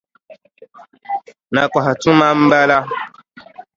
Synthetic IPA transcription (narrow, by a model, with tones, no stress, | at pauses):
na˨kwa˨ha˨tũ˦ma˦m̩˦ba˦la˦